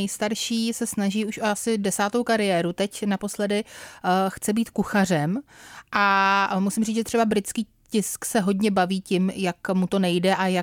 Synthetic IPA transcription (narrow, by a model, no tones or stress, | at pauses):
ɛjst̪aɾʃiːsɛsnaʒiːuʃʔoasɪdɛsaːt̪owkaɾɪjɛːɾut̪ɛcnapo̞slɛdɪ | xt͡sɛbiːt̪kuxar̝ɛmʔamusɪmriːʒɛt̪r̥ɛbabɾɪt̪t͡skiː | cɪsksɛɦo̞dɲɛbaviːcɪmjakmut̪o̞nɛjdɛʔaja